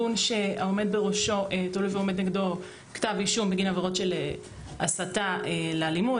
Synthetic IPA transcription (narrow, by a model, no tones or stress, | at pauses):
unʃeaome̞d̚beʁoʃo̞ʔetolujveome̞d̪neɡdo̞ | ktaviʃumbeɡinaveʁo̞tʃele | ʔasataelealimu